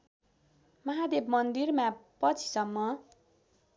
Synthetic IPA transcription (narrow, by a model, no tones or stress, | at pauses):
mʌɦad̪ebmʌnd̪irmapʌt͡sʰi̥sʌmːʌ